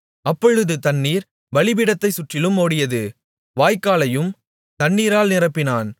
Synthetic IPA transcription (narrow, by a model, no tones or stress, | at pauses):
ʔɐpːɔɻɯðɯt̪ɐnːiːɾ | ʋɐɭɪbɪɽɐt̪ːɐɪsʊʈrɪlɯmːoːɽɪjɐðɯ | ʋaːjkːaːlɐjɯm | t̪ɐnːiːɾaːlnɪrɐpːɪnaːn